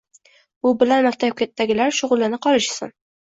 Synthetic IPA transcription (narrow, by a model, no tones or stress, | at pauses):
ʊbɪlanmakʲt̪ʰap̚kʲʰe̞t̪ʰːaɡʲɪlaɾʃʊʁʊlˠɪnɪqʰɒlˠɪʃsɪ̰n